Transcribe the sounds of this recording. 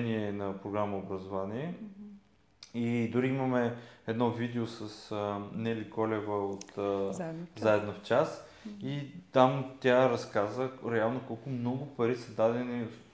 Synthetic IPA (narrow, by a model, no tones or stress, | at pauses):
niɛnɐpɾoɡɾaməobɾɐzovaniɛ | id̪ʊɾiimɐmɛɛd̪nɔvid̪ɛosəsənɛlikɔlɛvəot̪ | zaɛd̪noft͡ʃasit̪amt̪ʲaɾɐskazəɾɛalˠnokɔlˠkʊmnɔɡʊpɐɾisəd̪ad̪ɛni